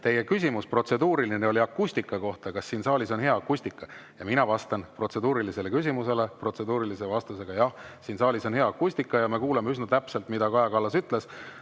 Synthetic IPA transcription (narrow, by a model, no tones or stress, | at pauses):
t̪e̞je̞kys̬ʲimuspro̞t̪se̞d̪uːɾilineo̞lʲiɑkːusʲt̪ikːˑɑko̞ht̪ɑkɑsːiːnsɑːlʲiso̞nɦe̞ɑːkːˑusʲt̪ikːˑɑjɑminɑvɑst̪ɑnpro̞t̪se̞d̪uːɾilise̞le̞kys̬ʲimuse̞le̞pro̞t̪se̞d̪uːɾilise̞vɑst̪use̞ɡ̥ɑjɑhsiːnsɑːlʲiso̞nhe̞ɑɑkːusʲt̪ikːˑɑjɑme̞kuːlemeysnɑt̪æpse̞lt̪mid̪ɑkɑjɑkɑlːɑsyt̪ˑle̞s